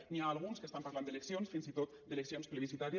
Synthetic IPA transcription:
niaːlˠɣunskest̪ampaɾland̪eleksjonsfinzit̪ot̪̚d̪eleksionspleβisit̪aɾj

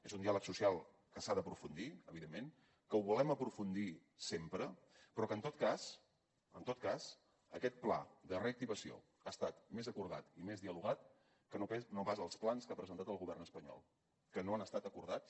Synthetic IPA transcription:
ezund̪ialəksusialˠ | kəsaðəpɾufund̪iəβiðemːen | kəuβulɛməpɾufund̪i | sempɾə | pɾɔkənt̪ot̪̚kaz | ənt̪ot̪̚kaz̥ | əkɛt̪̚pla̰ðəreək̚t̪iβəsio̰ | ast̪at̪mezəkuɾðat̪imezðiəluɣ̞at̪ | kənoɛnopazəlˠsplanskapɾəzənt̪at̪əlˠɣuβɛrnəspəɲɔ̰lˠ | kənoanəst̪at̪əkuɾða

